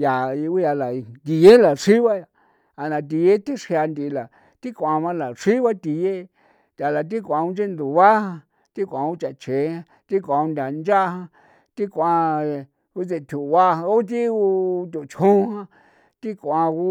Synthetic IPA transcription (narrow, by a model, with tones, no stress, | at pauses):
ja˨i˧u˦ja˧la˨˧d̪i˧je˦la˨ʂi˦βa˦ja˧ | a˧nã˧t̪̬i˧je˦t̪i˦ʂhja˧nd̪i˧la˨ | t̪i˦kʷã˧βã˧la˨ʂi˦βa˦t̪i˧je˦ | t̪ʲa˨la˨t̪̬i˦kʷã˧u˧nd͡ʒe˦nd̪u˨βa˦hã˧ | t̪i˦kʷã˧u˦t͡ʃa˧˨t͡ʃẽ˨˦hã˧ | t̪i˦kʷã˧u˧nd̪ʲa˨nd͡ʒa˦hã˧ | t̪i˦kʷã˧ | u˦t͡se˧t̪ʲʰu˨˧βa˧hã˧u˦t̪̬i˦u˧t̪ʲu˨t͡ʃʰhũ˦˧hã˧ | t̪i˦kʷã˧u˦